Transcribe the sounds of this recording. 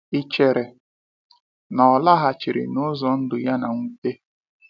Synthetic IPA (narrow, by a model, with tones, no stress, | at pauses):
i˦t͡ʃe˨ɾe˨ | nɔ˨la˦ɦa˨t͡ʃɪ˨ɾɪ̰˨nʊ˦zɔ˨n̩˦dʊ˨ja˦na˨ŋʷu˦te˦